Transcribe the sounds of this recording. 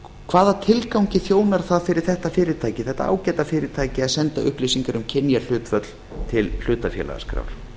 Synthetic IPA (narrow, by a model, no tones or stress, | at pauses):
kʰv̥aːðat̪ʰɪlkawɲcɪθjoːwnaɾ̥θaðfɪɾɪɾ̥θɛht̪afɪːɾɪɾt̪ʰaːjcɪθɛht̪a̰a̰ːwcɛːt̪afɪːɾɪt̪ʰaːjcɪaðsɛnt̪aʏ̰hplejsiŋkaɾʏmcʰɪnjal̥ʏːt̪fœt̪l̥ | t̪ʰɪll̥ʏːt̪afjɛ̰la̰ɣa̰skɾa̰wl̥